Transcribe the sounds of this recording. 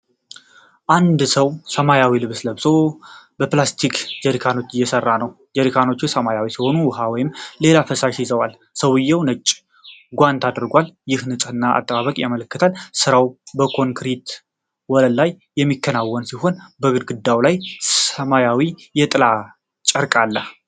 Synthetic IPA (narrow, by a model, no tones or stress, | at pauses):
ʔand̪səwsəmajawilɨβsləbsobəplast̪ʰikd͡ʒəɾikʰano̞t͡ʃːɨjːɛsərːanəw | d͡ʒəɾikʰano̞t͡ʃːusəmajawisiho̞nuwʊɦawɔjɪmle̞lafəsaʒizəwal | səwɨjːɛwnət͡ʃʼː | ɡʷant̪ʰad̪ɾɡʷaljɪhnɨsʼɨnːaʔa̰t̪ʼːəβaβəkʼjamələkːɨt̪ʰalsɨɾawbəkʰo̞ŋkʰɾit̪ | wɔləllajːɛmːikʰːənawːɔnsiho̞nbəɡɨd̪ɡɨd̪ːawlajsəmajawijɛt̪ʼɨla | t͡ʃʼəɾkʼalːəh